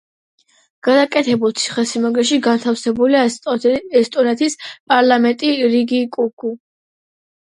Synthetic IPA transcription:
ɡ̥ad̪akʼɛt̪ʰɛbulˠt̪sʰi̥χɛsimaɡɾɛʃiɡant̪ʰafsɛbulia | ɛst̪ʼɔnɛt̪ʰispʼaɾlˠamɛnt̪ʼiɾiɡikʼuɡʼu

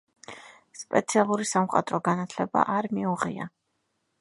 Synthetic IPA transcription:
spʼɛt̪sʰialˠuɾisamqʼa̰t̪ʼɾɔɡanat̪ʰlɛba̰ʔaɾmiuʁḭa̰

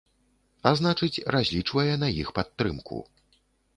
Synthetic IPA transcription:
aznat͡ʂɨt͡sʲrazʲlʲit͡ʂvɐjɛnɐjḭxpat̪ːɾɨmkʰṵ

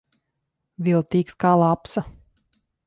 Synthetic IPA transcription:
vilˠt̪iːkskaːlˠapsa

